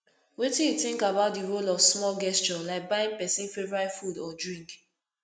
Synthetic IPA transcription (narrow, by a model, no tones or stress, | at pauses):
wetĩjuθĩŋkabaʊt̚diɹolɔfsmɔlɡɛst͡ʃɔlaɪk̚baĩŋpɛsĩnfevɹaɪfudɔdɹĩŋk